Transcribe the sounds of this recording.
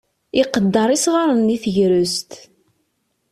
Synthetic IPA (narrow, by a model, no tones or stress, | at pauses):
iqəd̪ːɑɾˤisʁaɾˤənːiθəʝɾʊst̪